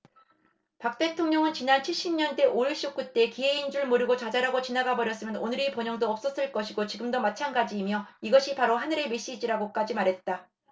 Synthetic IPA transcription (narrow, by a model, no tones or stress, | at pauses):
pak̚t͈e̞tʰoŋɲʌŋɯnt͡ɕinant͡ɕʰiɭɕ͈imɲʌnde̞ʔoiɭɕ͈ok͈ut͈e̞kieind͡ʑuɭmoɾiɡot͡ɕad͡ʑaɾaɡot͡ɕinaɡabʌɾjʌs͈ɯmjʌnonɯɾipjʌɲʌŋdoʌp̚s͈ʌs͈ɯɭk͈ʌɕʰiɡot͡ɕiɡɯmdʌmat͡ɕʰanɡad͡ʑiːmjʌiɡʌɕʰipaɾoɦanɯɾe̞me̞ɕ͈id͡ʑiɾaɡok͈ad͡ʑimaɾɦe̞t̚t͈a